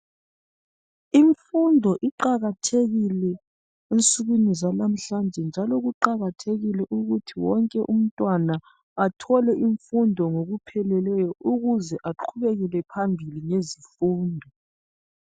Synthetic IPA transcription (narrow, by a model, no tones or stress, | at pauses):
iɱfundʱɔʔiǃaɣatʰeɣilɛ | ent͡sʼuɣinizalam̩ɬand͡ʒʱɛnd͡ʒʱalɔɣuǃaɣatʰeɣilɛʔuɣutʰiwɔŋkʼɛʔum̩tʼwana | atʰɔlɛʔiɱfundʱɔŋoɣupʰɛlɛlɛjɔʔuɣuzɛʔaǃʰuβeɣilɛpʰambʱiliŋezifuːndʱɔ